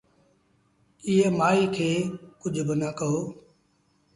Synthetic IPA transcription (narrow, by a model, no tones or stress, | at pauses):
ɪɦemaːiːkʰeːkʊd͡ʒʱbɪnəkəɦoː